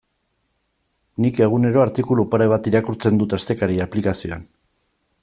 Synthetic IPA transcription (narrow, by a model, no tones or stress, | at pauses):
nike̞ɣ̞une̞ɾo̞aɾt̪ikulupaɾeβ̞at̪iɾakuɾt͡se̞nd̪ut̪ast̪e̞kaɾiaplikasioan